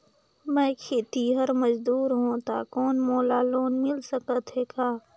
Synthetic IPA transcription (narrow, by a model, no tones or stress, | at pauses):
mɛ̃ːkʰeːt̪iɦəɾməd͡ʒd̪uːɾɦõːt̪a̰ːkɔːnmoːlaːloːnmɪlsəkət̪ɦeːkaː